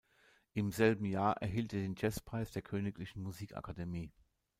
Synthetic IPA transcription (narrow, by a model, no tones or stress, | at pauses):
ʔɪmzɛlbm̩jaːɐʔɛ̰ɐɦiːlteːɐdeːnd͡ʒɛspʁ̥aɪsd̥eːɐkʰøːnɪklɪçn̩muziːka̰kʰademiː